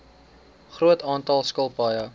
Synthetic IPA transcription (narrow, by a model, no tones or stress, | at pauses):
χruətɑːntɑlˠskəlˠpɐjə